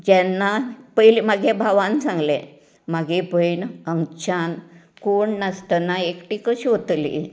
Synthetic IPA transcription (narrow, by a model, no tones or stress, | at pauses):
d͡ʑɛnːapəjlimaɡʱebʱaʋansãŋɡle | maɡʱepəjɳəŋt͡ɕan | koɳnəst̪ənaekʈikəɕiot̪lḭ